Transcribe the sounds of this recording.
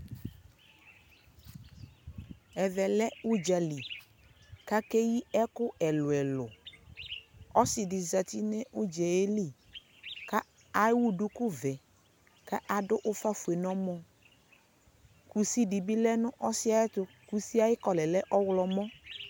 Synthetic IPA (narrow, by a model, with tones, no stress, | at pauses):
ɛ˨vɛ˨lɛ˦u˦d͡ʒa˨li˨ | ka˦ke˦ji˦ɛ˦kʊ˦ʔɛ˨lʊ˨ɛ˨lʊ˨ | ɔ˦sɪ˨dɪ˨za˨t̪i˦nɛ˦ʔʊ˦d͡ʒɛ˨je˦li˦˨ | ka˦ | a˦wu˦dʊ˦kʊ˦vɛ˨ | ka˦ʔa˨dʊ˦ʔʊ˦fa˦fu˨e˨nɔ̃˦mɔ̃˦ | ku˨si˦di˨bi˦lɛ˦nʊ̃˦ʔɔ˦sɪ˦a˨˦ɛ˦t̪ʊ˦ | ku˨si˦a˦jɪ˦kɔ˨lɛ˨lɛ˦ʔɔ˦wlɔ˦mɔ̃˦